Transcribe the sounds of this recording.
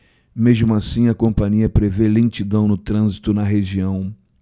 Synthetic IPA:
meʒmʊasĩɐkõmpɐ̃ɲiɐpɾevelẽt͡ʃid̪ɐ̃w̃nʊt̪ɾɐ̃zit̪ʊnɐɦeʒiɐ̃w̃

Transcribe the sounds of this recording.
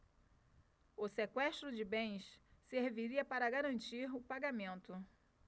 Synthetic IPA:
ʊsekwɛʃt̪ɾʊd͡ʒɪbẽj̃sseɾviɾiɐpaɾɐɡaɾɐ̃nt͡ʃiɾʊpaɡamẽnt̪ʊ

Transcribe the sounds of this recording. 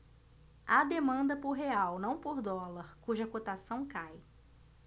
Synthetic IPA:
ad̪emɐ̃nd̪ɐpʊɾɦeawnɐ̃w̃poɾd̪ɔlɐɾkuʒɐkot̪asɐ̃w̃kaj

